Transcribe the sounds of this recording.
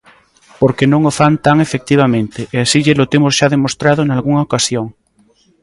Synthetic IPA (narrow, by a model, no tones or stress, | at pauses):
poɾkenõŋofant̪aŋefek̚t̪iβ̞amẽnt̪eʔeasiʎelot̪emozʃaðemost̪ɾað̞onalɣuŋaokasjoŋ